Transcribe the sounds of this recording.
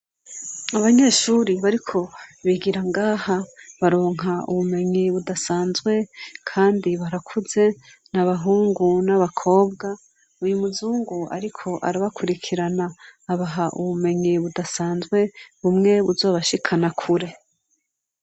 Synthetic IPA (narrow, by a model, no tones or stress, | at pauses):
aβaɲe̞ʃuːɾiβaɾikʰo̞βiɡiɾaŋɡaːhaβaɾo̞ːŋ̥ɦaṵβume̞ɲiβudasaːnzɡwe̞kʰaːndiβaɾakʰuze̞ | naβaɦuːŋɡunaβakʰo̞ːb̚ɡa | ujumuzuːŋɡua̰ɾikʰo̞ʔa̰ɾaβakʰuɾikʰiɾanaːβaɦaʔṵβume̞ɲiβudasaːnzɡwe̞βumŋe̞βuzo̞ːβaʃikʰanakʰuɾe̞